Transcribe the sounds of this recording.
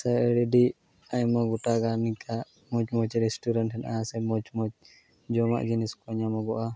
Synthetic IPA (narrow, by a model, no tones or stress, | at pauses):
saɛɽɛɖiʔ | ajmaɡuʈaɡanikʰaʔ | mɔt͡ʃmɔt͡ʃɾɛsʈuɾanʈʰɛnʔasɛmɔt͡ʃmɔt͡ʃ | d͡ʒɔma̰ʔd͡ʒiniskɔɲamɔbɔʔa